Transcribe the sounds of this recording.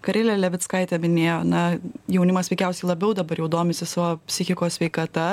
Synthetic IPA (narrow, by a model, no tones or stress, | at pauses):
kɐɾʲeːlʲɛlʲɛʋʲɪt̪skɐɪt̪ʲɛmʲɪnʲeːjoːnɐjɛʊnʲɪmɐsʋʲɛɪkʲɛˑʊsʲɛɪlˠɐbʲɛʊd̪ɐbɐɾjɛʊd̪oːmʲɪsʲɪsɑʋoːpʲsʲɪxʲɪkoːssʲʋʲɛɪkɐt̪ɐ